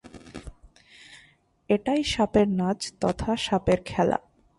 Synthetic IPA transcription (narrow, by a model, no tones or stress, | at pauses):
eʈajʃapeɾnad͡ʑt̪ɔt̪ʰaʃapeɾkʰɛla̰